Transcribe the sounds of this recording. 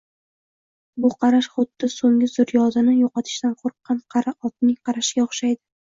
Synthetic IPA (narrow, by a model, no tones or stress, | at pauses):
bʊqʰɑɾaʃχʊd̪ːɪsoŋɡʲɪzʊɾjɒzɪnɪjoqɑt̪ʰɪʃt̪anqʰoɾqʰːɑnqʰɑɾaɒt̪̚nɪŋqʰɑɾaʃɪɡʲaoχʃajd̪ɪ